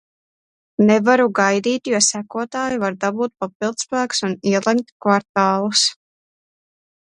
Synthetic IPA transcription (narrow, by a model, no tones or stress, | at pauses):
nɛvaɾuɡajd̪iːt̪juɔsækuɔt̪aːjuvaɾd̪abuːt̪̚papilˠd̪spæːksuniɛlˠɛmkt̪kvaɾt̪aːlˠus